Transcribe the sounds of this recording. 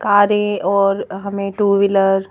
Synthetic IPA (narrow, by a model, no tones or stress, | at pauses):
kaːɾẽɔːɾɦɐmẽʈuːʋɪləɾ